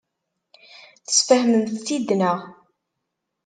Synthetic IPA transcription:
θə̥sfəhməmθθːid̪nəʁ

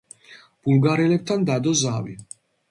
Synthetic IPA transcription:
b̥ulɡaɾɛlɛp̚t̪ʰand̪ad̪ɔzavḭ

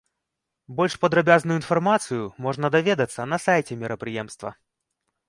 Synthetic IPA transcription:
bɔlʲʂpɐd̪ɾɐbʲaznujʊinfarmat̪sɨjumɔʐnɐd̪avʲed̪ɐt̪sːɐnɐsajt͡sʲɛmʲɪɾʔɐpɾɨjɛmst̪vɐ̰

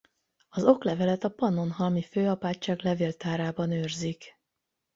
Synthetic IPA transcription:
ɒzo̞klɛvɛlɛt̪ɒpɒno̞nɦɒlmiføːɒpaːt͡ʃːaːɡlɛveːlt̪aːɾaːbɒnøːrzik

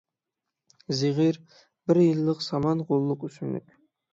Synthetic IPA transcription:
ziʁiɾ | bɪɾjɪlˠːəqsɑmɑnqʰolˠːʊqʏsɪnd̪ɪ̰kʲ

